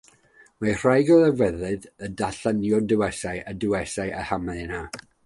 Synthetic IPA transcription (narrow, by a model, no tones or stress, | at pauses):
mar̥ajɡɔðəvɛðɨðədaɬənjɔdəwɛsajʔədəwɛsajʔahamana